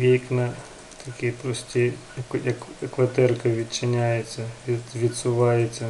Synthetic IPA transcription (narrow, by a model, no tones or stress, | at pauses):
ʋʲijknɐ | t̪ʰɐkʲijpɾɔsʲtʲi | ɐkɔɐkɐkʋɐt̪ɛrkɐʋʲit͡ʃɪnʲajet͡sʲːɐʋʲiʋʲid̪sʊʋɑjet͡sʲːɐ